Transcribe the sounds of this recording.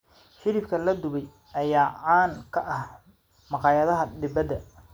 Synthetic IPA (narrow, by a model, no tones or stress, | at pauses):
ʃɪɾɪfkʰɐlɐd̪ʊβɛj | ʔɐjaːʕaːnkʰɐʔɐh | mɑqɑːjɐðɐɦɐd̪ɪbɐd̪ɐ